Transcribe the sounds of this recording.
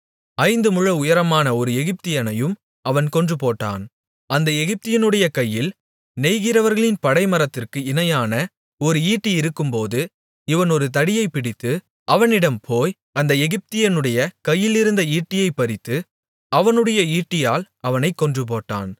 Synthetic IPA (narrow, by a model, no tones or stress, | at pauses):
ɐɪnd̪ɯmʊɻɐʊjɐɾɐmaːnɐɔɾɯɛɣɪp̚t̪ɪjɐnɐjɯm | ɐʋɐnkɔndrɯpoːʈːa̰ːn | ɐnd̪ɐɛɣɪp̚t̪ɪjɐnɯɽɐjɐkɐjːɪl | nɛjɣɪɾɐʋɐɾɣɐɭɪnpɐɽɐɪmɐɾɐt̪ːɪrkɯɪnɐjaːnɐ | ɔɾɯiːʈːiɪɾɯkːɯmpoːðɯ | ɪʋɐnɔɾɯt̪̬ɐɽɪjɐɪpːɪɽɪt̪ːɯ | ɐʋɐnɪɽɐmpʰoːj | ɐnd̪ɐɛɣɪp̚t̪ɪjɐnɯɽɐjɐkɐjːɪlɪɾɯnd̪ɐiːʈːɪjɐɪpːɐɾɪt̪ːɯ | ɐʋɐnɯɽɐjɐiːʈːɪjaːl | ɐʋɐnɐɪkːɔndrɯp̬oːʈːa̰ːn